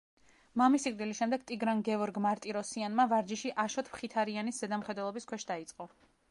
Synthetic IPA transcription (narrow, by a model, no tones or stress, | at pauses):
mamisikʼd̪ilisʃɛmd̪ɛɡ̥̚t̪ʼiɡɾaŋɡɛɔɾɡmaɾt̪ʼiɾɔsianmavaɾd͡ʒiʃiʔaʃɔt̪ʰpχit̪ʰaɾianisz̥ɛd̪amχɛd̪wɛlˠɔbiskʰwɛʃd̪ait̪sʼqʼɔ